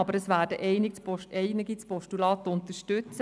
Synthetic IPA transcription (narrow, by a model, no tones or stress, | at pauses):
ɑbəɾəsʋæːɾdəʔɛɪnɪt͡spɔʃɛɪnɪɡit͡spɔʃtulɑːt̪ʊnt̪əʃtʉt͡sə